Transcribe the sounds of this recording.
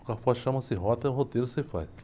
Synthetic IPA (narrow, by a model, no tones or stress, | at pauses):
kafɔʃɐ̃mɐsĩɦɔt̪ɐɦot̪eɾʊsefa̰j